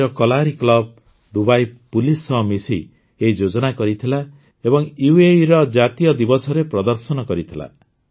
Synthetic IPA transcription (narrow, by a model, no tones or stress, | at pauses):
ɾɔkɔlaɾiklɔb̚ | d̪ubajpulisɔmisi | eid͡ʒod͡ʒɔnakɔɾit̪ʰila | ebɔŋjueɾɔd͡ʒat̪ijɔd̪ibɔsɔɾepɾɔd̪ɔɾsɔnɔkɔɾit̪ʰila̰